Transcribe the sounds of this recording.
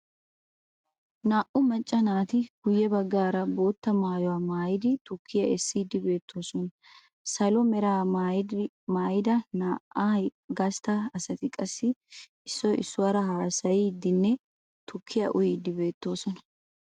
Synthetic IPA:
naːʔʊmɐt͡ʃʼːɐnaːt̪ɪɡ̥ʊjːɛbɐɡːaːɾɐbo̞ːt̪ːɐmaːjɔwaːmaːjɪd̪ɪt̪ʊkʰːɪjɐʔɛsːid̪ɪbe̞ːt̪ʰːo̞ːsɔnɐ | sɐlɔmɛɾaːmaːj | maːjɪd̪ɐnaːʔaɡɐst̪ɐɐsɐt̪ɪkʼɐsːɪ | ɪsːɔɪ̰sːʊwɐɾɐɦaːsɐjɪd̪ːɪnːɛ | t̪ʊkʰːɪjɐ̰ʔʊjiːd̪ɪbe̞ːt̪ːo̞ːsɔnɐ̥

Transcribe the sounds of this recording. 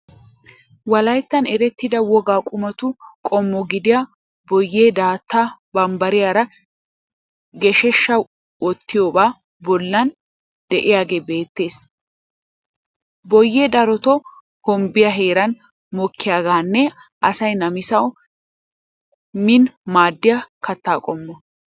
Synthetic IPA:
wɐlɐjt̪ːɐnɛɾɛt̪ːɪd̪ɐwɔɡaːkʼʊmɐt̪ʊkʼɔmːɔɡɪd̪ɪja | bɔjːeːd̪aːt̪ːabɐmbɐɾɪjaːɾɐ | ɡɛʃɛʃːɐw | ɔt̪ːɪjoːbaː | bɔlːɐn | d̪̥ɛʔɪjaːɡeːbe̞ːt̪ːe̞ːs | bɔjːeːd̪ɐɾɔt̪ɔ | hɔmbɪjɐɦeːɾɐn | mɔkʰːɪjaːɡaːnːɛʔɐsɐjnɐmɪsɐw | mɪnmaːd̪ːɪjɐkɐt̪ːaːkʼɔmːɔ

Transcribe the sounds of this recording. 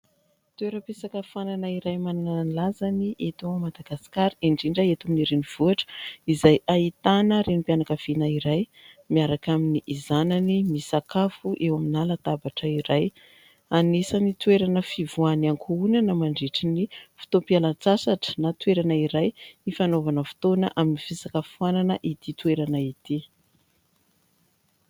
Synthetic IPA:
t̪ueɾəpesakəfananaiɾajmaninananilazaniʔet̪omad̪aɡasi̥kaɾiiɳɖ͡ʐiɳɖ͡ʐəet̪aminiɾeniv̥uaʈ͡ʂə̥izajait̪anəɾenipianakəv̥inaiɾajmiaɾakaminiʔizananimisakafuʔewaminalat̪abaʈ͡ʂəiɾaj | anesanit̪weɾanəfivuanaŋkʰuunanəmaɳɖ͡ʐeʈ͡ʂinifi̥t̪opialant͡sasaʈ͡ʂə̥nat̪weɾanaiɾajifanovanəfi̥t̪onə̰ʔaminifisakəfuananəʔit̪it̪weɾanait̪i

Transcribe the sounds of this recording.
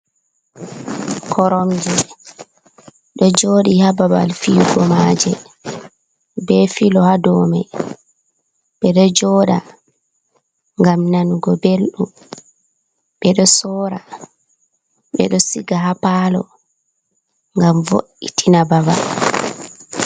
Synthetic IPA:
kʰɔɾɔmd͡ʒɛ | ɗɔd͡ʒoːɗihababa̰lfiɡɔmad͡ʒɛ | bɛfilɔhadɔːmɛ | ɓɛɗɔd͡ʒɔːɗa | ŋɡamnanuɡɔbelɗu | ɓɛɗɔsɔːɾa | ɓɛ̰ɗɔsiɡaɦapalɔ̰ | ŋɡamvo̰ʔitʰinababa̰l

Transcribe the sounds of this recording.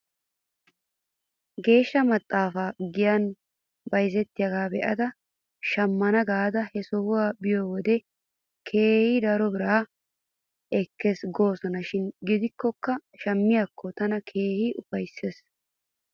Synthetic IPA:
ɡe̞ːʃːɐmɐt̪ʼːaːfaːɡɪjɐn | bɐjzɛt̪ːɪjɐɡaːbɛʔɐd̪ɐ | ʃɐmːɐnɐɡaːd̪ɐhɛsɔhʊwaːbɪjoːwɔd̪ɛ | kʰe̞ːhɪd̪ɐɾɔbɪɾaː | ɛkːesɡo̞ːsɔnɐʃɪnɡɪd̪ɪkːɔkːɐʃɐmːɪjakːɔt̪ɐnɐkʰe̞ːhɪʊpɐjsːes

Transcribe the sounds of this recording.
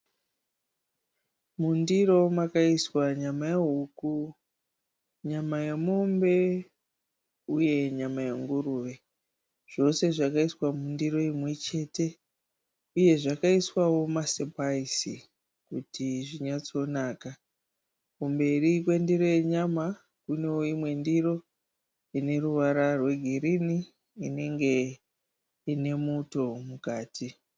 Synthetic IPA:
mundiro̞makaiswaɲamajeɦuku | ɲamajamombe̞ | uje̞ɲamajaŋɡuruʋe̞ | ʐ̥o̞se̞ʐakaiswamundiro̞imwe̞t͡ʃe̞te̞ | uje̞ʐakaiswawo̞masepaisi | kutʰiʐiɲat͡so̞naːka | kumbe̞rikwe̞ndiɾo̞je̞ɲama | kune̞woimwe̞ndiro̞ | ine̞ruʋaɾarwe̞ɡʱirini | ine̞ŋɡe̞ | ine̞muto̞mukaːtʰi

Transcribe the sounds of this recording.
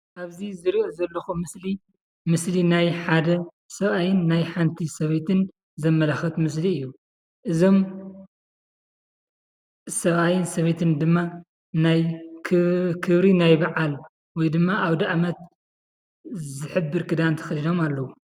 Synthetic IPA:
ʔaβzizɨɾiʔɐzɐlːɐxumɨsli | mɨslinajħad̪ɐ | sɐβajɪnːajħant̪ʰisɐβet̪ʰɨn | zɐmːɐlaxɐt̪mɨs̬liɨjːu | ʔɨzo̞m | sɐβajɪnsɐβet̪ʰɨnd̪ɨmːa | najkʰkʰɨβɾinajbaʕal | wɔjd̪ɨmːaʔawd̪ɐʔmɐt̪ | zɨħɨbːɨɾkɨd̪ant̪ʰɐ̥xɨlido̞malːɐwu

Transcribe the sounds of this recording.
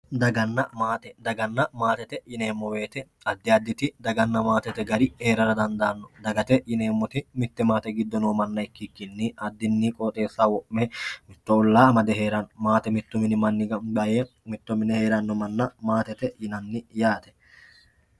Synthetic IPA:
d̪ɐɡɐnːɐmaːt̪ɛd̪ɐɡɐnːɐmaːt̪ɛt̪ɛjɪne̞ːmːɔwe̞ːt̪ɛ | ɐd̪ːɪɐd̪ːɪt̪ɪd̪ɐɡɐnːɐmaːt̪ɛt̪ɛɡɐɾɪheːɾɐɾɐd̪ɐnd̪aːnːɔd̪ɐɡɐt̪ɛjɪne̞ːmːɔt̪ɪmɪt̪ːɛmaːt̪ɛɡɪd̪ːɔnoːmɐnːɐɪkːɪkːɪnːɪɐd̪ːɪnːɪkʼɔːt̪ʼe̞ːsːawɔʔmɛmɪt̪ːɔʊlːaːɐmɐd̪ɛɦe̞ːɾɐnːɔmaːt̪ɛmɪt̪ːʊmɪnɪmɐnːɪɡɐje | mɪt̪ːʊmɪnhe̞ːɾɐnːɔmɐnːɐmaːt̪ɛt̪ɛjɪnɐnːɪjaːt̪ɛ̥

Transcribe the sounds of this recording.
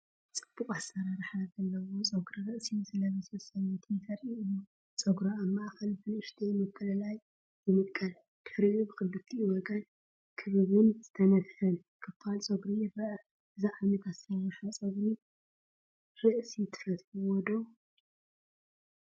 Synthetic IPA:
t͡sʼɨb̥ːuqʼasːɐɾaɾħazɐlːɐwot͡sʼoɡɾiɾɨʔsizɨlɐβɐsɐsʼɐɲːɐt̪ʰifʰɐɾʔiʔɨju | t͡sʼoɡɾaamːɐʔaxɐlfɨnɨʃt̪ʰemɐkʰːɐlɐlajː | ɨmɨkʼːɐl | d̪̥ɨ̥ħɾiʔubɨxɨlːɨt̪ʰiwɔɡɐn | kʰɨβɨβɨnzɨt̪ʰɐnɐt̪hɨn | kʰɨfalt͡sʼoɡɾijɪrɐʔɐ | ɨziʕaβnɐt̪ʰasawɐʃat͡sʼoɡɾi | ɾɨʔsit̪ʰɨ̥fɐt̪ħuwɔd̪o

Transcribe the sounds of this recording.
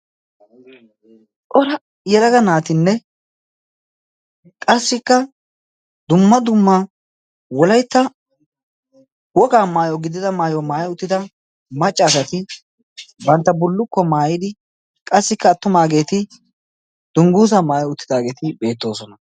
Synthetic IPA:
ʔʼɔɾɐ | jɛd̪ɐɡɐnaːt̪ɪnːɛ | kʼɐsːɪkːɐ | d̪ʊmːɐd̪ʊmːɐ | wɔlɐjt̪ːɐ | wɔkaːmaːjɔɡɪd̪ɪd̪ɐmaːjɔmaːjɛʊt̪ːɪd̪ɐ | mɐt͡ʃʼːaːsɐt̪ɪ | bɐnt̪ːɐbʊlːʊkːɔmaːjɪd̪ɪ | kʼɐsːɪkːɐːt̪ːʊmaːɡe̞ːt̪ɪ | d̪̥ʊŋɡuːs̬ɐmaːjɔʊt̪ːɪd̪aːɡe̞ːt̪ɪbe̞ːt̪ːo̞ːsɔnɐ

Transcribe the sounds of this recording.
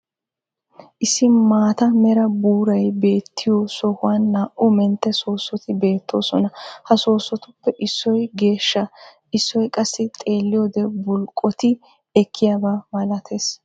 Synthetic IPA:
ʔɪsːɪmaːt̪ɐmɛɾɐbuːɾɐjbe̞ːt̪ʰːɪjɔsɔhʊwanːaːʔʊmɛnt̪ːɛso̞ːsːɔt̪ɪbe̞ːt̪ːo̞ːsɔnɐhɐso̞ːsːɔt̪ʊpːɛʔɪsːɔjɡe̞ːʃːɐ | ɪsːɔjkʼɐsːɪt̪ʼe̞ːlːɪjoːd̪ɛbʊlkʼːɔt̪ɪ | ɛkʰːɪjaːbaːmɐlɐt̪ʰeːs

